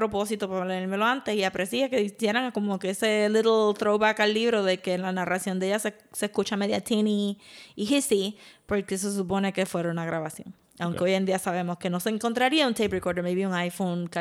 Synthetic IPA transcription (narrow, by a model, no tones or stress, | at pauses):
pɾo̞po̞sit̪o̞paβleeɾme̞lo̞ant̪e̞siapɾe̞siakeisje̞ɾaŋko̞mokeeseliɾlt̪ɾowβakalːiβɾo̞ðe̞ke̞nlanarʔasjo̞nd̪eʝas | sehkut͡ʃameðjat̪ʰiniːɦisipo̞ɾke̞s̬e̞s̬up̬o̞ne̞ke̞fwe̞ɾaunaɣɾaβasjo̞̰ŋ | awŋkeo̞je̞nd̪iasaβe̞moske̞no̞se̞ːŋko̞nt̪ɾaɾiaunt̪ejprekoɾðeɾmeβjiuŋajfoŋka